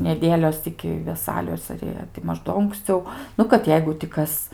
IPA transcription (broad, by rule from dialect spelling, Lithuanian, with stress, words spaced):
nʲɛˈdʲeːlʲoːs ɪkʲɪ ʋʲɛˈsɑːlʲoːs ɐr ˈjiɛ tʲɪ ˈmɐʃ ˈdoː ʊŋksʲˈt͡sʲɛʊ ˈnʊ kɐt ˈjɛɪɡʊ tʲɪ ˈkɐs